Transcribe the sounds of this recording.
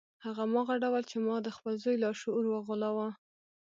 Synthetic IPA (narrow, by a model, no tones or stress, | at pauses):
haɣamɑɣaɖawalt͡ʃemɑd̪əxpəlzojlɑʃoɾwaɣolawa